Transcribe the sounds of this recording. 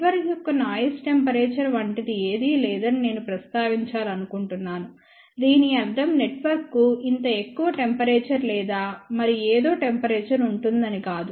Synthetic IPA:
ʋɐɾijɔkːɐnaːjɐsʈe̞mpɐɾeːt͡ʃɐɾʋɐɳʈid̪ieːd̪ilɛːd̪ɐnine̞ːnupɾɐst̪aːʋiɲt͡ʃaːlɐnukuɳʈunːaːnu | d̪iːniɐd̪ɐmne̞ʈʋɐɾkːuint̪ɐe̞kːuʋɐʈe̞mpɐɾeːt͡ʃɐɾlɛːd̪aːmɐɾieːd̪o̞ːʈe̞mpɐɾeːt͡ʃɐɾuɳʈund̪ɐnikaːd̪u

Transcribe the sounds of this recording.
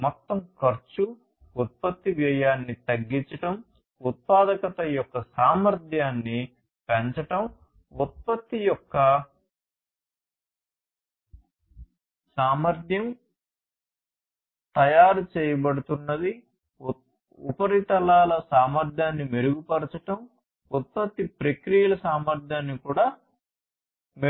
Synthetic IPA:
mɔt̪ːɐmkɐɾt͡ʃu | ut̪̚pɐt̪ːiʋjɐjaːnːit̪ɐɡːiɲt͡ʃɐʈɐm | ut̪̚paːd̪ɐkɐt̪ɐjɔkːɐsaːmɐɾd̪ʱjaːnːi | peɲt͡ʃɐʈɐm | ut̪̚pɐt̪ːijɔkːɐ | saːmɐɾd̪ʱjɐm | t̪ɐjaːɾut͡ʃɛːjɐbɐɽut̪unːɐd̪i | upɐɾit̪ɐlaːlɐsaːmɐɾd̪ʱjaːnːimeɾuɡupɐɾt͡ʃɐʈɐm | ut̪̚pɐt̪ːipɾekɾijɐlɐsaːmɐɾd̪ʱjaːnːikuːɽaː | me

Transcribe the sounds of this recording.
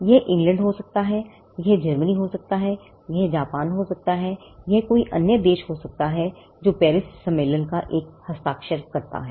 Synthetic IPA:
jɛɦʔɪ̃ŋɡlə̃ɳɖɦosɐk̚t̪aɦɛ | jɛɦd͡ʒɐɾməniɦosɐk̚t̪aɦɛ | jɛɦd͡ʒaːpaːnɦosɐk̚t̪aɦɛjɛɦkoːiʔɐ̰njəd̪eːʃɦosɐk̚t̪aɦɛ | d͡ʒoːpɛːɾɪssɐ̃mːeːlənkaʔeːk̚hɐst̪aːkʃəɾkɐɾt̪a̰ɦɛː

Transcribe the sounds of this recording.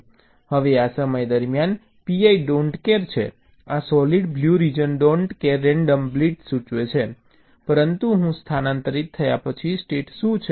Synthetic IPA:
həʋeasəməjd̪əɾmjan | piaiɖoɳʈkeɾt͡ʃʰḛ | asɔliɖbljuɾid͡ʒənɖoɳʈkeɾːɛɳɖəmbliʈsũt͡ʃʋet͡ʃʰe | pəɾənt̪uɦũst̪ʰanant̪əɾit̪ʰːəjapət͡ʃʰisʈeʈʃũt͡ʃʰe

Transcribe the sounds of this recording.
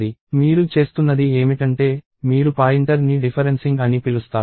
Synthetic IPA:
imiːɾut͡ʃe̞ːst̪unːɐd̪ie̞ːmiʈɐɳʈe̞ː | miːɾupaːjiɳʈɐɾniɖipʰɐɾensiŋɡɐnipilust̪aː

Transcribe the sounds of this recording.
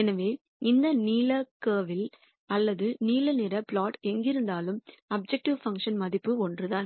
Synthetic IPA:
ɛnɐʋeː | ʔɪnd̪ɐniːlɐkeːʋɪl | ɐlːɐðɯniːlɐnɪɾɐpɭaːʈɛŋɡɪɾɯnd̪aːlɯmɐb̚d͡ʒɛk̚ʈɪʋfɐŋkʂɐnmɐðɪpːɯɔndrɯðaːn

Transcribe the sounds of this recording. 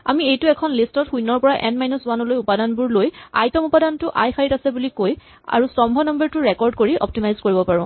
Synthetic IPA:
a̰miejtʊɛkʰɔnlistɔtxujnɔɹpɔɹaʔɛnmajnuswanɔlojupadanbuɹloja̰jtɔmupadantʊʔajxaɹitasɛbulikoj | a̰ɹusɔmbʱɔnɔmbɔɹtʊɹɛkɔɹd̚koɹiʔɔ̰p̚timajzkoɹibɔpaɹɔ̃

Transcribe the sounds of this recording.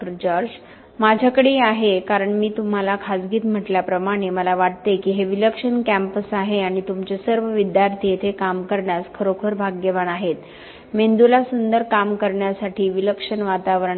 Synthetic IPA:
əɾd͡ʑ | mad͡ʑʱakəɽiaɦekaɾəɳmiːt̪um̤alakʰasɡiːt̪m̤əʈljapɾəmaɽ̃eməlaʋaʈ̚t̪ekiːɦeʋiləkʂəɳkæ̃mpəsaɦeaɽ̃it̪umt͡ɕesəɾʋəʋid̪jaɾt̪ʰiet̪ʰekamkəɾɳjaskʰəɾokʰəɾbʱaɡjeʋanaɦet̪ | mend̪ulasund̪əɾkamkəɾɳjasaʈʰiːʋiləkʂənʋat̪aʋəɾəɳ

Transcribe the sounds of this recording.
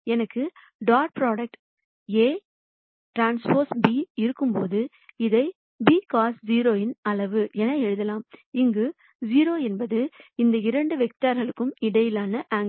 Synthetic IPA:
ɛnɐkːɯ | ɖaːʈ̚pɾoːɽɐk̚ʈ | eː | ʈɾaːnspoːɾsbiːɪɾɯkːɯmpoːðɯ | ɪðɐɪ | biːkaːsd͡ʒiːɾoːɪnɐlɐʋɯʔɛnɐɛɻɯðɐlaːmɪŋɡɯ | d͡ʒiːɾoːɛnbɐðɯɪnd̪ɐɪɾɐɳɖɯʋɛk̚t̪aːɾɣɐɭɯkːɯmɪɽɐjɪlaːnɐʔaːŋ

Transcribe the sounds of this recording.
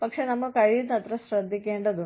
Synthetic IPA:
pɐkʂenɐmːɐkɐɻijunːɐt̪ɾɐsɾɐd̪ʱːikːeːɳɖɐd̪u

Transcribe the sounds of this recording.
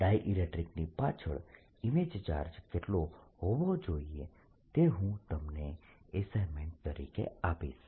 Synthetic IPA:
ɖajʔiɾeʈɾiknipat͡ʃʰə̰ɭ | imed͡ʒt͡ʃa̰ɾd͡ʒkeʈloɦoʋod͡ʒoie | t̪eɦũt̪əmne | esajmẽɳʈ̚t̪əɾḭkḛapḭʃ

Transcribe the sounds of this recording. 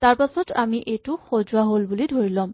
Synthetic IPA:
taɹpasɔtamiʔejtʊxozuaɦolbulidʱoɹilɔm

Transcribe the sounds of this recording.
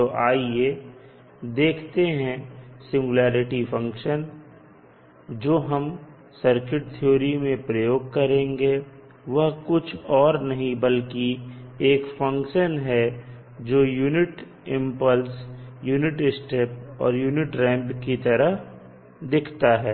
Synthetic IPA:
t̪oʔaːie | d̪eːkʰt̪eɦɛ̃sɪ̃ŋɡʊlaːɾɪʈifɐ̃ŋkʃən | d͡ʒoːɦɐm | sɐɾkɪʈ̚t̪ʰijoːɾimẽpɾəjoːɡkɐɾẽːŋɡe | ʋɐɦkʊt͡ʃʰɔːɾnɐɦĩbɐlkieːkfɐ̃ŋkʃənɦɛ | d͡ʒoːjuːnɪʈ | ɪ̃mpəlsjuːnɪʈɪsʈepɔ̰ːɾjuːnɪʈɾɛ̃ːmpkit̪ɐɾəɦ | d̪ɪkʰt̪aɦɛː

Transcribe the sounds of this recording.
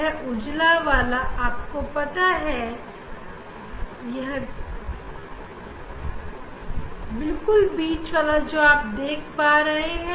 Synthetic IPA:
ɦʔʊd͡ʒlaʋaːlaʔaːp̚kopɐt̪aɦɛ | jɛɦ | bɪlkʊlbiːt͡ʃʋaːlad͡ʒoːaːp̚d̪eːkʰpaːɾɐɦeɦɛ̃

